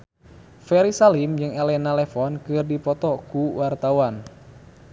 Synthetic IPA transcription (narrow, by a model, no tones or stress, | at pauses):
fɛɾisalimd͡ʒɨŋɛlɛnalɛfɔnkɨrdipɔt̪ɔkuwart̪awan